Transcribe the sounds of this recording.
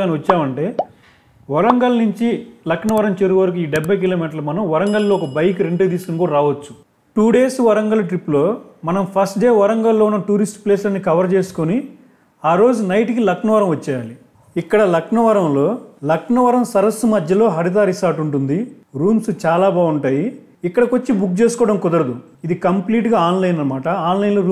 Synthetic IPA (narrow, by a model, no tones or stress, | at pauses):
aːniɐt͡ʃːaːmɐɳʈe̞ː | ʋɐɾɐŋɡɐlnuɲt͡ʃilɐkʂnɐʋɐɾɐmt͡ʃeɾuʋɐɾukuiːɖɛbʱːɐjk̬iloːmiːʈɐɾlumɐnɐmʋɐɾɐŋɡɐllo̞ːɔkɐbɐjk̬ɾeɳʈeːd̪iːskunkuːɽɐɾaːʋɐt͡ʃːu̥ | ʈuːɖe̞ːsʋɐɾɐŋɡɐlɐʈɾipːlo̞ːmɐnɐmpʰɐsʈɖe̞ːʋɐɾɐŋɡɐlːoːunːɐʈuːɾisʈpleːsɐnːikɐʋɐɾt͡ʃe̞ːsu̥koni | aːɾo̞ːd͡ʒunɐjʈkilɐkʂnɐʋɐɾɐmʋɐt͡ʃːɛːjaːli | ikːɐɽɐlɐkɳɐʋɐɾɐmlo̞ːlɐkɳɐʋɐɾɐmsɐɾɐsːumɐd̪ʱjɐlo̞ːɦɐɾit̪̬aːɾisaːɾʈuɳʈund̪i | ɾuːmsut͡ʃaːlaːbaːɡuɳʈaːjiː | kːɐɽɐkot͡ʃːibuk̚t͡ʃeːsukɔːɽɐmkɔd̪ɐɾɐd̪u | id̪ikɐmpliːʈɡaːaːnlɐjnɐɐmaːʈɐaːnlɐjnloːɾuː